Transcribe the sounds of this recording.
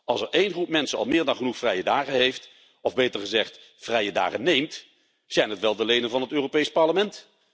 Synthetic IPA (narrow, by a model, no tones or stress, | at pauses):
ɑlˠsəɹejnχrupmɛnsənɑ̰lˠmɪːɹdɑnχənuχfrɛjədaːχəɦejft | ɔvbejtəɹχəzɛχt | frɛjəda̰ːχənːejmt | z̥ɛjnɦətʋɛlˠdəlejdənvɑnɦətøːropejspɑɹləmɛnt